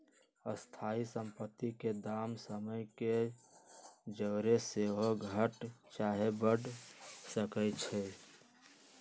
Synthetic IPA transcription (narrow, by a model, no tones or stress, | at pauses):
əst̪ʰaːisə̃mpət̪ːiked̪aːmsəməjke | d͡ʒəːɾeseɦoɡʱəʈt͡ʃaːɦebəɖsəkət͡ʃʰɛ